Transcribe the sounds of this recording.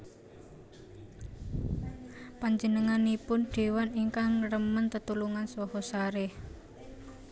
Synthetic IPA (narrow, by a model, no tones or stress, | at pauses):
paɲd͡ʒənəŋanipʊnɖ̪̥e̤waniŋkaŋrəmənt̪ət̪uluŋansɔɦɔsaɾeh